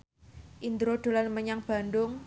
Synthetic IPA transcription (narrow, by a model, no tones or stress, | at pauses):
ʔind̪ɾod̪̥o̤lanməɲaŋb̥a̤nd̪ʊŋ